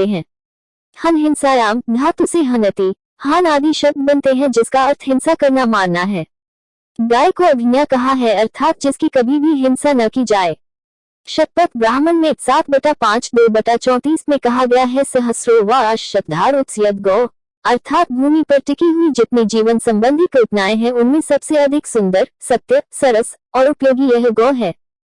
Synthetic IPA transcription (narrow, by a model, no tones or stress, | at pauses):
eɦɛ̃ː | hɐnɦɪ̃nsaɾaːmd̪ʱaːt̪ʊseɦɐnɐt̪i | haːnaːd̪ʱiʃɐb̚d̪̚bɐ̃nt̪eɦɛ̃d͡ʒɪskaɐɾt̪ʰɦɪ̃nsakɐɾnamaːɾnaɦɛː | ɡaːikoɐb̪ʱɪnjakɐɦaɦɛɐɾt̪ʰaːt̪̚d͡ʒɪskikɐbʱibʱiɦɪnsanɐkid͡ʒaːeː | ʃɐt̪̚pət̪ʰbɾaːmənmẽsaːt̪̚ʰbɐʈapãːt͡ʃd̪obɐʈat͡ʃɔ̃ːt̪iːsmẽkɐɦaɡɐjaɦɛsɐɦəsɾoʋaʃɐt̪̚d̪ʱaːɾʊt̪sjət̪ɡɔː | ɐɾt̪ʰaːt̪̚bʱuːmipɐɾʈɪkiɦuid͡ʒɪt̪nid͡ʒiːʋənsɐ̃mbə̃nd̪ʱikepnaːeɦɛ̃ʊnmẽsɐbseɐd̪ʱɪksʊ̃nd̪əɾsɐt̪jəsɐɾəs | ɔːɾʊpjoːɡijɛɦɡɔːɦɛː